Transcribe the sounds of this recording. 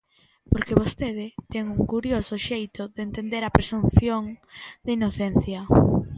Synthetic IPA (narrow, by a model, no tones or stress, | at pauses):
poɾkeβost̪eðɪt̪ɛŋuŋkuɾjosʊʃejt̪oðent̪end̪eɾɐpɾesunθjoŋd̪̥ɐinoθɛn̟θjɐ